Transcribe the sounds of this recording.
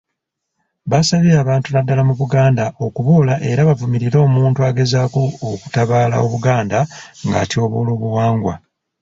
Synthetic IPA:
βasaβiaːβaːntunadːalamuβuɡaːndaʔo̞kuβoːlaʔe̞ɾaβavumiɾiɾo̞ːmuːntuaɡe̞zakooku̥taβaːla̰o̞βuɡaːndaŋɡa̰tio̞βoːlo̞ːβuwaːŋɡwa̰

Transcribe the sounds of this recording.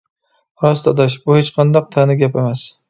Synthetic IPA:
ɾɒst̪ʰɒd̪aʃ̬bʊhet͡ʃqʰɑnd̪ɒq̚t̪ʰanɪɡʲapamas

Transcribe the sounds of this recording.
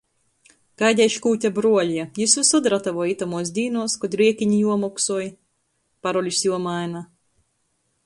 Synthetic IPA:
kajd̪ʲɛjʃkuːtʲabɾuɔlʲiɛjisvisud̪ɾat̪avɔjit̪amuɔs̬d̪ʲiːnuɔskɔd̪ɾiɛkʲiɲijuɔmɔksuɔj | paɾɔlʲusjuɔmajna

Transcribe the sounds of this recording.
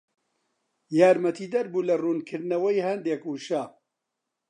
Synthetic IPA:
jaːɾmɐt̪ʰiːd̪ɐɾbuːlɐruːnkʰɨɾd̪nɐwɐjhɐnd̪eːkuːʃaː

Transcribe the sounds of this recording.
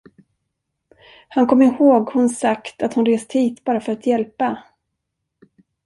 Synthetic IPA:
hankʰɔmːɪhoːɡhʊnsakt̪at̪hʊnɾeːst̪hiːt̪bɑːɾafœɾat̪jɛlpa

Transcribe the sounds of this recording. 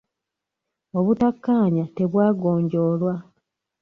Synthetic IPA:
oβutakːaːɲate̞βwaːɡo̞ːɲɟo̞ːlwa

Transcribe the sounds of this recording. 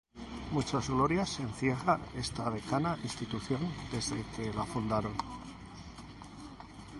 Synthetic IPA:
mut͡ʃazɣlo̞ɾjase̞nθje̞ɣane̞st̪aβe̞kanaʔinst̪it̪uθjo̞nd̪e̞zðe̞ke̞lafund̪aɾo̞n

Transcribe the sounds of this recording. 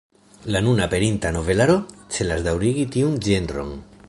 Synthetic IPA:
lanunape̞ɾint̪ano̞ve̞laɾot͡ʃelazd̪awɾiɣit̪iund͡ʒendɾo̰ŋ

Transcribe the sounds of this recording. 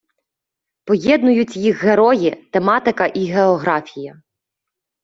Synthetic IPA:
pɔjɛd̪nʊjʊt͡sʲjixːeɾɔjit̪emɑt̪ɪkɐʔiɦeɔɦɾɑfʲijɐ

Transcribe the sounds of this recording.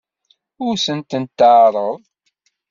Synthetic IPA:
ʊɾsənt̪ənt̪ːəʕɾˤəðˤ

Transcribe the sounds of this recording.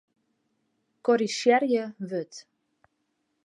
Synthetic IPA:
kɔɾiʃjɛrjəʋøt

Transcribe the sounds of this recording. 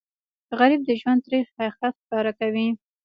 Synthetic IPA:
ɣaɾib̚d̪əʒwand̪̚ɾexaxakɑɾakawi

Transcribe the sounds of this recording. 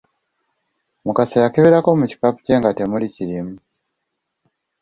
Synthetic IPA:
mokasajakeβeɾakomɯt͡ɕi̥kapɯ̥ceŋɡat̪emoɾʲit͡ɕiɾim

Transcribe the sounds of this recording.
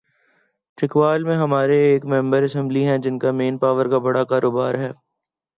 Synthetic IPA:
ʈɪkʋaːlmẽɦɐmaːɾeːkmɛ̃mbəɾɐsɛ̃mbliɦɛ̃d͡ʒɪnkameːnpaːʋəɾkabɐɽakaːɾʔoːbaːɾɦɛː

